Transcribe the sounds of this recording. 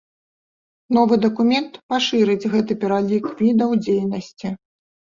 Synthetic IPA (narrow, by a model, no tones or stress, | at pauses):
n̪ɔvɨd̪ɐkumʲɛnt̪paʂɨɾɨd͡zʲɣɛt̪ɨpʲɛɾalʲikvʲid̪ɐwd͡zʲejnɐsʲt͡sʲi